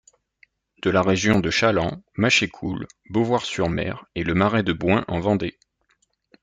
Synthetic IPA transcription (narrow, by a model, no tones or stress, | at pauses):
d̪̥əlaʁeʒjɔ̃d̪əʃalɑ̃maʃekʰulbovwaʁsyʁmɛ̰ʁeləmaʁɛd̪əbwɛ̃ʔɑ̃vɑ̃d̪e